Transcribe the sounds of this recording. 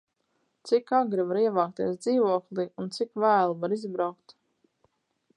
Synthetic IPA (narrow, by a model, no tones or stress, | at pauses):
t̪sikaɡɾivaɾiɛvaːk̚t̪iɛsd̪ziːvuɔklˠiunt̪sikvæːlˠuvaɾizbɾawkt̪